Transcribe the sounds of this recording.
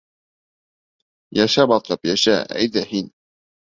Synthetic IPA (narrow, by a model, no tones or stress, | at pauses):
jæʃæbɑt̪lɤpjæʃæ̰iðæhin